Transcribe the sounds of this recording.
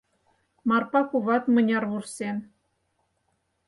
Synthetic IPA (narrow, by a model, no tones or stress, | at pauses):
mɑrpɑkuβɑt̪mɤ̆nʲɑrβursen